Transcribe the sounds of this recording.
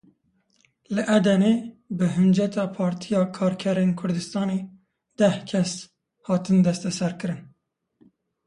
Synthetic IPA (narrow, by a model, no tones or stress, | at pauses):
lɨʔɛd̪ɛneːbɨɦɨnd͡ʒɛt̪ʰɑːpʰɑːɾt̪ʰijɑːkʰɑːɾkʰɛɾeːnkʰʊɾd̪ɨst̪ɑːneː | d̪ɛhkʲʰɛs | hɑːt̪ɨnd̪ɛst̪ɛsɛɾkɨɾɨn